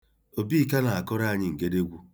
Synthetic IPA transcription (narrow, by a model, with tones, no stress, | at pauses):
o˨bi˦˨ka˦na˨a˨kʊ˦ɾa˦a˨ɲɪ˦ŋ̩˨ke˦de˦ɡʷu˦